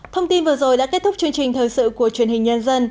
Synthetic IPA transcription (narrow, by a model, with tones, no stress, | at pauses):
t̪ʰə˧wŋ͡mt̪i˧nvɨː˨˩zo˨˩jɗa̰ː˧˥ke˦˥t̚t̪ʰʊ˦˥k͡p̚t͡ɕɨ˧əŋt͡ɕï˨˩ŋ̟t̪ʰəː˨˩jsɨ̰˧˨ku˧˩ət͡ɕwi˧˩ənhï˨˩ŋ̟ɲə˧nzə˧n